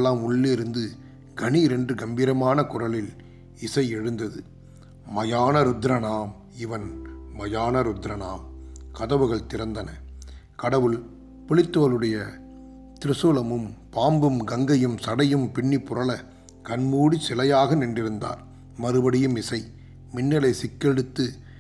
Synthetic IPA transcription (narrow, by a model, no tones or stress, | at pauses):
lːaːmʊɭːɪɾɯnd̪ɯ | ɡɐɳiɾɛndrɯɡɐmbiːɾɐmaːnɐkʊrɐlɪl | ɪsɐɪɛɻɯnd̪ɐðɯ | mɐjaːnɐɾʊd̪ɾɐnaːm | ɪʋɐnmɐjaːnɐɾʊd̪ɾɐnaːmkɐðɐʋɯɣɐɭt̪ɪɾɐnd̪ɐnɐ | kɐɽɐʋɯl | pʊɭɪt̪ːoːlɯɽɐjɐ | t̪ɪɾɯsoːlɐmɯmpaːmbɯmɡɐŋɡɐjɯmsɐɽɐjɯmpɪɳːipːʊɾɐlɐ | kɐnmuːɽisɪlɐjaːɣɐnɪndrɪɾɯnd̪a̰ːɾ | mɐɾɯbɐɽɪjɯmɪsɐɪ | mɪnːɐlɐɪsɪkːɛɽɯt̪ːɯ